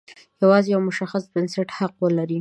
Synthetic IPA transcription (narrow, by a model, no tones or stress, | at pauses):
jawɑzejawmʊʃaxasbɪnsɪʈhaqwəlaɾi